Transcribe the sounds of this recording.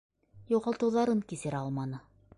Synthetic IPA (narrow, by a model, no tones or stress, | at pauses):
juʁɑlˠt̪ɤ̆wðɑɾɤŋkisɘ̆ɾɑlˠmɑnɤ